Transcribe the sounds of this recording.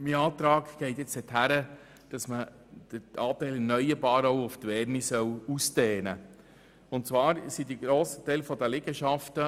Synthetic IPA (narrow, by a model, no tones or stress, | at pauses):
miɑːt̪ɾɑːɡɡ̥ɛɪtjɪt͡sɛthæɾə | d̥ɑsmə | d̥əɑːtæɪlɛnœjəɾbɑːɾowʊft̪ʋɛɾnisœwusteːnə | ʊntt͡sʋɑːɾsidiɡɾoːsə̥tɛɪlfɔdəlɪɡ̥əʃɑftə